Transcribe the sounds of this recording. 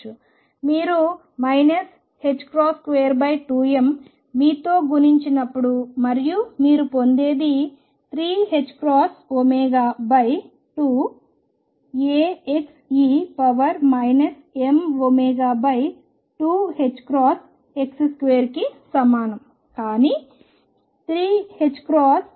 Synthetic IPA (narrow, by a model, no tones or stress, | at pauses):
u | miːɾu | mɐjnɐs | he̞t͡ʃːkɾaːskʋeːjɐɾbɐjʈuːemː | iːt̪o̞ːɡuniɲt͡ʃinɐpːuɽumɐɾijumiːɾupond̪e̞ːd̪i | t̪ʰɾiːɦet͡ʃːkɾaːsomeːɡaːbɐj | ʈuː | eːeksiːpɐʋɐɾmɐjnɐs | emomeːɡaːbɐj | ʈuːhet͡ʃːkɾaːs | e̞ksskʋeːɐɾkisɐmaːnɐm | kaːni | t̪ʰɾiːhet͡ʃːkɾaːs